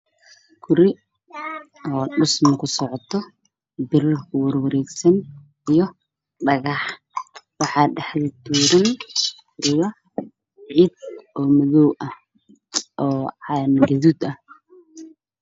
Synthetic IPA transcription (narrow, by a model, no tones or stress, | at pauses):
kʰʊɾɪ | ɔːɖʊsmɐkʰʊsɔʕɔt̪ʰɔ | bɪɾkʰwɐrwɐɾɛːɡsɐn | ijɔ | ɖɐɣɑħ | wɑħɑːɖɑħðɪt̪ʰuːɾɐn | ʔɪjɐ | ʕid̪̚ɔːmɐðɔwʔɐ | ʔɔːʕɑnɡɐðuːd̪ɐh